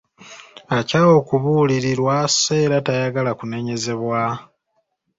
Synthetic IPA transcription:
acao̞kuβuliɾiɾwase̞ɾatajaɡalakune̞ɲe̞ze̞βwa

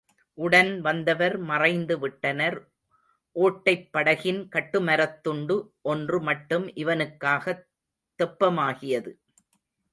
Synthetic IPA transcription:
ʔʊɽɐnʋɐnd̪ɐʋɐɾmɐrɐɪnd̪ɯʋɪʈːɐnɐɾ | ʔoːʈːɐɪpːɐɽɐɣɪnkɐʈːɯmɐɾɐt̪ːʊɳɖɯʔɔndrɯmɐʈːɯmʔɪʋɐnɯkːaːɣɐ | t̪ːɛpːɐmaːɣɪjɐðɯ

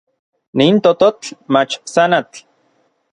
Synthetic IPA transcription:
nint̪ot̪ot͡ɬmat͡ʃsanat͡ɬ

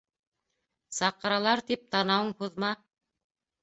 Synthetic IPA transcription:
sɑqɤ̆ɾɑlˠɑɾt̪ip̚t̪ɑnɑwɤɴhuðmɑ

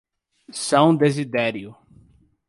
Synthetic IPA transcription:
sɐ̃w̃d̪ezid̪ɛɾjʊ

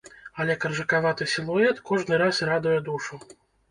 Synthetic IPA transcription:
ɐlʲɛkɐrʐɐkavat̪ɨsʲilˠuɛt̪kɔʐnɨɾasrad̪ujɛd̪uʂu

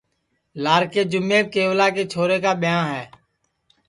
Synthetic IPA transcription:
laːɾkeːd͡ʒʊmːeːkeːʋlaːkeːt͡ʃʰoːɾeːkaːɓɪjãːɦɛː

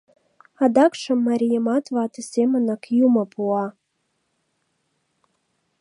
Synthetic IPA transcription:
ɑd̪ɑkʃɤ̆mːɑɾʲijəmɑt̪vɑt̪ɤ̆sʲemə̆nɑkjumɤ̆puɑ

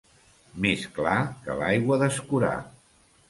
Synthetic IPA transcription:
mesklakə̰lajɣwəðəskuɾa̰

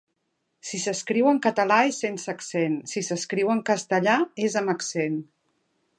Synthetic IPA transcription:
sisəskɾiwəŋkət̪əlaesensəksensisəskɾiwəŋkəst̪əʎaezəməksen

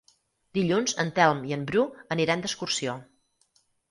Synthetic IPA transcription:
d̪iʎunzənt̪ɛlˠmiəmbɾuəniɾand̪əskursio

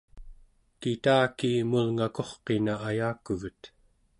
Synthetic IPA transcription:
kit̪aːkiːmulŋako̞χqe̞naːjaːkuɣət̪

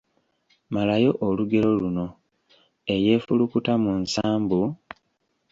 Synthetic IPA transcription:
malajo̞ʔoluɡe̞ɾo̞luno̞ | e̞je̞ːfulukutamunsaːmbu

